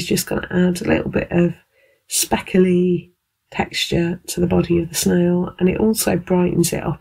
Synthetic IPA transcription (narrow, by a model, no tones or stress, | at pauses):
zd͡ʒʌsɡ̥ʌnə̰ʔadəlʔɪ̰ʔl̩ˠbɪ̰ʔəv̥ | spɛkʰəli | tʰɛkst͡ʃətʰəðəbɒɾiəvðəsnəʊə̃nɪʔɔˑlˠsəʊbɹaɪʔn̩zɪ̰tʌ̰p